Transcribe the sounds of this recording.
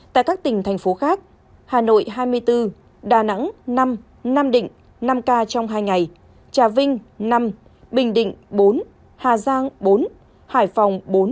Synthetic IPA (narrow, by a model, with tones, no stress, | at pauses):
t̪a̰ː˧˨kaː˦˥k̚t̪ï˨˩ŋ̟t̪ʰɛ˨˩jŋ̟fo˨˦xaː˦˥k̚ | haː˨˩no̰˧˨jɦaː˧jmɨ˧əjt̪ɨ˧ | ɗaː˨˩na̰˧˥ŋna˧m | na˧mɗḭ̈˧˨ŋ̟ | na˧mkaː˧t͡ɕɔ˧wŋ͡mɦaː˧jŋa˨˩j | t͡ɕaː˨˩vï˧ŋ̟na˧m | ɓï˨˩ŋ̟ɗḭ̈˧˨ŋ̟ɓo˨˦n | haː˨˩zaː˧ŋɓo˨˦n | haː˧˩jfɔ˨˩wŋ͡mɓo˨˦n